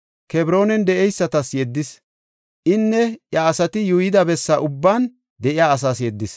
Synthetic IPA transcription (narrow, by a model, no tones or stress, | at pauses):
kɛbɾo̞ːnɛnd̪ɛʔɛjsːɐt̪ɐsjɛd̪ːɪs | ʔɪnːɛjɐːsɐt̪ɪjujɪd̪ɐbɛsːɐʔʊbːaːn | d̪ɛʔɪjaːɐs̬aːsjɛd̪ːɪs